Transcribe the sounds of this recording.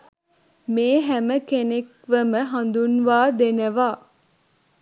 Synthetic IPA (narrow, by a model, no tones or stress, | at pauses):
meːɦæməkenek | ʋəməɦand̪unʋaːd̪enəʋaː